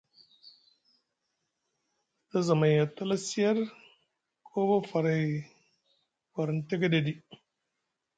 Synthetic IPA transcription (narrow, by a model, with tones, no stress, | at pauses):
ta˦za˨ma˨ja˨ta˦la˦si˦ja˦ɾ | kʰo˦ba˦fa˨ɾa˨ | fa˨ɾn˨te˦ɡa˦de˨di˦